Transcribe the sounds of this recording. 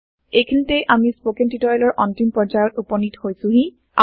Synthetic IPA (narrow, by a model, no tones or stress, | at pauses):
ejkʰinitɛjʔamispokentitɔjlɔɹʔɔntimpɔɹzajɔtupɔnithojsʊ̃ɦĩ | a̰